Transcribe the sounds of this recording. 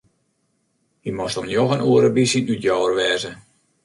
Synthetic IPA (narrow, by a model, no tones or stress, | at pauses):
imostomnjoxənuəɾəbisinytjɔwərʋɛːzə